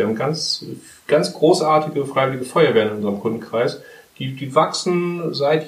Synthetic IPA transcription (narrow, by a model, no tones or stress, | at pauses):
haːbm̩ɡant͡s | ɡ̥ant͡sɡ̥ʁoːsʔaːɐtʰɪɡəfʁ̥aɪvɪlɪɡəfɔʏɐvɛːɐənɪnʔʊnzəʁəmkʰʊndn̩kʁ̥aɪsd̥iːdiːvaksn̩zaɪt